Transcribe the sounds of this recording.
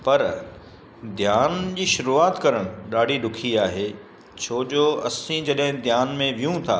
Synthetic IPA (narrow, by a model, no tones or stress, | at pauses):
pɐɾ | d̪ʱjaːnd͡ʑiːʃʊɾuaːt̪kɐɾəɽ̃ɗaːɽiɗʊkʰiaːɦeː | t͡ɕʰoːd͡ʑoːɐsĩd͡ʑɐɗɦɪ̃d̪ʱjaːnmẽʋijũt̪ʰa̰ː